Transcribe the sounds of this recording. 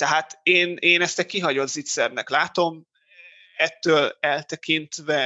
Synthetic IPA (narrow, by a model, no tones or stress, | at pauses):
t̪ɛɦaːt̪eːneːnɛst̪ɛkiɦɒɟo̞t̪zit̪sɛrnɛklaːt̪o̞m | ɛt̪ːøːlɛlt̪ɛkint̪vɛ